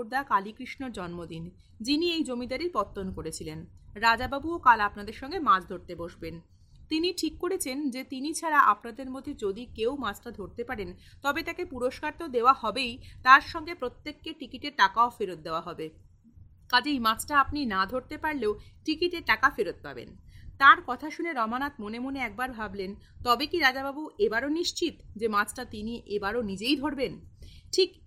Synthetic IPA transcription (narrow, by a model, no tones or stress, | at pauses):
ɾd̪akalikɾiʃnoɾd͡ʑɔnmod̪in | d͡ʑiniejd͡ʑomid̪aɾiɾpɔt̪ːonkoɾet͡ɕʰilenɾad͡ʑababuokalapnad̪eɾʃɔŋɡemãd͡ʑʰd̪ʱoɾt̪eboʃben | t̪iniʈʰikːoɽet͡ɕʰend͡ʑet̪init͡ɕʰaɾaʔapnad̪eɾmod̪ʱed͡ʑod̪ikewmat͡ɕʰʈad̪ʱoɾt̪epaɾent̪ɔbet̪akepuɾoʃkaɾt̪od̪eoahɔbejt̪aɾʃɔŋɡepɾot̪ːekːeʈikiʈeɾʈakaofeɾot̪̚d̪eoaɦɔbe | kad͡ʑejmat͡ɕʰʈaapninad̪ʱoɾt̪epaɾleoʈikiʈeɾʈakafeɾot̪̚pa̰bḛnt̪aɾkɔt̪ʰaʃuneɾɔmanat̪̚monemoneɛk̚baɾbʱablent̪ɔbekiɾad͡ʑababuʔebaɾoniʃt͡ɕit̪d͡ʑemãt͡ɕʰʈat̪iniʔebaɾonid͡ʑejd̪ʱoɾbenʈʰik